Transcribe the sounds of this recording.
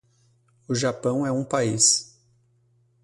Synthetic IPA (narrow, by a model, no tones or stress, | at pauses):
ʊʒapɐ̃w̃ɛũpais